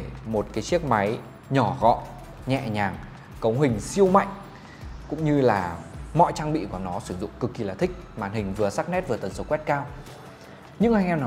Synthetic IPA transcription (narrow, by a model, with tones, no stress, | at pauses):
mo˨˩t̚kaː˨˦jt͡ɕi˦˥ək̚ma˨˦j | ɲɔ˧˩ɣɔ̰˧˨ | ɲɛ̰˧˨ɲaː˨˩ŋ | kə˨˦wɦï˨˩ŋ̟si˧əwma̰˧˨jŋ̟ | kʊ̰˧˥ŋ͡mɲɨ˧laː˨˩mɔ̰˧˨jt͡ɕaː˧ŋɓḭ˧˨ku˧˨˩nɔ˨˦sɨ˧˩zʊ̰˧˨ŋ͡mkɨ˨˩kːi˨˩laː˨˩t̪ʰï˦˥k̟̚maː˨˩nhï˨˩ŋ̟vɨ˨˩əsa˦˥k̚nɛ˦˥t̚vɨ˨˩ə˩t̪ə˨˩nso˨˦kwɛ˦˥t̚kaː˧w | ɲɨ̰˧˥ŋha˧ŋʔɛ˧mna˨˦